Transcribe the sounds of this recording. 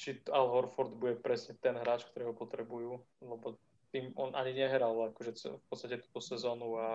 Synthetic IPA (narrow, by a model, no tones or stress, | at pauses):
t͡ʃialɦɔɾfɔɾd̪buɟɛpɾɛsɲɛt̪ɛnɦɾaːt͡ʃk̚t̪ɔɾɛːɦɔpɔt̪ɾɛbujuː | lɛbɔ | t̪iːmɔnʔaɲiɲɛɦɾalakɔʒɛt͡sfpɔt̪st̪acɛt̪uːt̪ɔsɛzɔːnua